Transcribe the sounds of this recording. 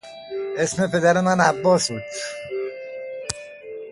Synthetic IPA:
esme̞pʰe̞d̪æɾemænæbːɒːsbuːd̪̥

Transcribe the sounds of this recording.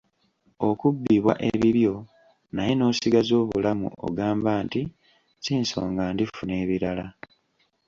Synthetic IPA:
okubːiβwa̰ʔe̞βiβjo̞ | naje̞no̞ːsiɡazo̞ːβulamṵʔo̰ɡaːmbaːnti | ciːnsoːŋɡaːndifune̞ːβiɾala

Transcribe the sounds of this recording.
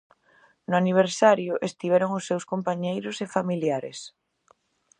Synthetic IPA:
nʊaniβ̞eɾsaɾjʊʔest̪iβ̞ɛɾoŋʊsːewskompaɲejɾʊsefamiljaɾḛs

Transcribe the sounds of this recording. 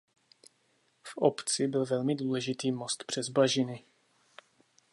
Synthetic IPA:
fʔopt͡sɪbɪlvɛlmɪduːlɛʒɪt̪iːmo̞st̪pr̝̥ɛzbaʒɪnɪ

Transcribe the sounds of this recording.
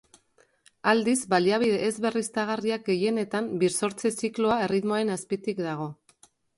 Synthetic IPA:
ald̪izbaliaβ̞iðe̞ʔːzβe̞rist̪aɣ̞ariak̚ɡe̞je̞ne̞t̪ambiɾso̞ɾt͡sesikloae̞rit̪moaɾe̞naspit̪ikd̪aɣ̞o̞

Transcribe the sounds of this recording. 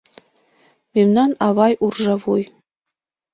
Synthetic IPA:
memnɑnɑvɑjʔurʒɑβuj

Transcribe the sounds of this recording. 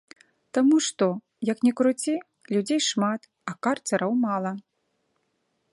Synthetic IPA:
t̪amuʂt̪ɔ | jɐknʲɛkɾut͡sʲi | lʲud͡zʲejʂmat̪ | ɐkart͡sʲɐɾʔɐwmalˠɐ

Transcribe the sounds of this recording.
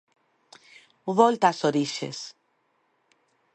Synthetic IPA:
βolt̪asoɾiʃḛs

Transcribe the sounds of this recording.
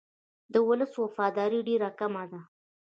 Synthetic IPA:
d̪əwʊləswafɑd̪ɑɾiɖeɾakamad̪a

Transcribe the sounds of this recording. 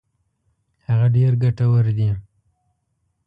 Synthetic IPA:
haɣaɖeɾɡaʈawəɾd̪i

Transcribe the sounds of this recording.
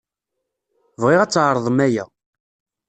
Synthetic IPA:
vʁɪʁæt͡sːʕɾˤðˤəmæjæ̰

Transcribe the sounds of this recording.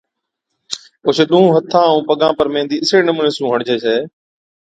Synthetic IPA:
ʊsɗũũːɦət̪ʰːãːũːpəɠãːpəɾmẽːnd̪iːɪseːnəmʊɳeːsjũːɦəɽd͡ʑeːseː

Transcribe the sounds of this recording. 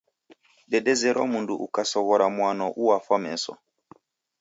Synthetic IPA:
dɛdɛzɛɾʔɔmunduʔukasɔβɔɾamwanɔʔuwafɔmɛsɔ̰

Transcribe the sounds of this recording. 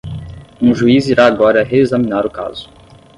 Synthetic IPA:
ũʒuiziɾaːɡɔɾɐɦeezɐmĩnaɾʊka̰zʊ̥

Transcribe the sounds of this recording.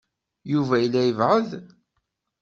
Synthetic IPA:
juvæjəlːæjəvʕəð

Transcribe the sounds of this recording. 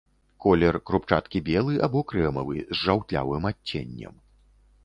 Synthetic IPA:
kɔlʲɛrkɾupt͡ʂa̰t̪kʲibʲɛlˠɨʔabɔkɾɛmɐvɨ̰zʐawt̪ʲlʲa̰vɨmatʲːḛnʲːɐ̰m

